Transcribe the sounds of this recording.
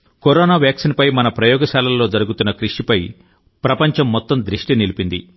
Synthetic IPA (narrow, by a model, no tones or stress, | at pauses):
koɾɔːnaːʋjaːksinpɐjmɐnɐpɾɐjɔːɡɐʃaːlɐlːoːd͡ʒɐɾuɡut̪unːɐkɾiʂipɐj | pɾɐpɐɲt͡ʃɐmːɔt̪ːɐmd̪ɾiʂʈinilipind̪ḭ